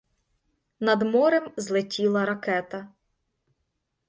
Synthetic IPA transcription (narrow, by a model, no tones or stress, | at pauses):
nɐd̪mɔɾemzlˠɪtʲilˠɐɾɐkɛt̪ɐ